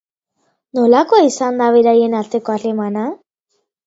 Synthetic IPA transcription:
nolako̞isand̪aβeɾajenaɾt̪e̞koalemana

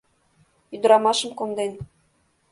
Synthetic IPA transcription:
yd̪ɤ̆ɾɑmɑʃɤ̆mkond̪en

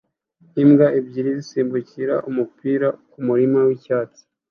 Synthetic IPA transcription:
imɡaibɟiɾizisiːmbuciɾa̰ʔumupiːɾakumuɾimawicaːt͡si̥

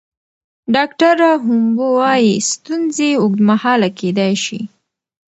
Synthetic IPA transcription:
ɖɑkʈaɾaɦʊmbowɑjist̪unzeʊɡd̪mahɑlaked̪ajʃḭ

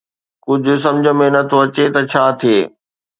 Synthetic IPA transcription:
kʊd͡ʑʱʊ̆s̬ɐ̃md͡ʑʱə̆mẽnɐt̪ʰoɐt͡ɕet̪ɐt͡ɕʰaːt̪ʰieː

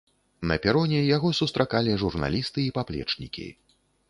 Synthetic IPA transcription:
nɐ̰pʲiɾɔnʲɛjaɣɔsust̪ɾʔakalʲiʐurna̰lʲist̪ɨːpaplʲɛ̰t͡ʂnʲḭkʲḭ

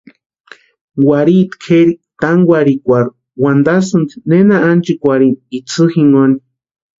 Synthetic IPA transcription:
waɾit̪kʰeɾit̪aŋɡwaɾikʷaɾu | wand̪asɨnt͡si̥nenaant͡ʃikʷaɾinit͡sʰɨxiŋoni

